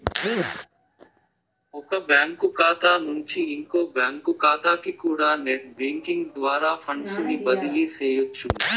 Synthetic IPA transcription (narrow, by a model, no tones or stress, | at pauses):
ɔkɐbjaːŋkukaːt̪aːnuɲt͡ʃiːŋkoːbjaːŋkukaːt̪aːkikuːɽaːneʈ̚beːŋkiŋɡd̪ʋaːɾaːpʰɐɳɖsunibɐd̪iliseːjutːu